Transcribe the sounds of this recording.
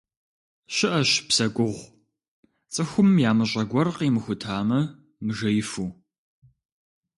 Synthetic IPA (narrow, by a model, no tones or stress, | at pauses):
ɕɪʔɐɕpsɐɡʷʊʁʷ | t͡sʼɨxʷʊmjaːmɨɕʼɐɡʷɔrqiːmɨxʷʊtʰaːmɐ | mɨʒɐjɪfuː